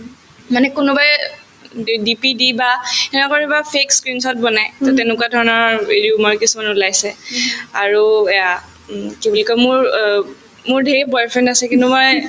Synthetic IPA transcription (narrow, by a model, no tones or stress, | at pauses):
manɛkʊnʊbaj | dipidibaɛnɛkɔɹibapʰekskɹinsɔt̚bɔnajtɔtɛnʊkwadʱɔɹɔnɔɹeɹiumɔɹkisumanulajsɛaɹuɛja | kibulɔkɔmʊɹ | mʊɹdʱebɔjpʰɹɛndasɛkintumɔj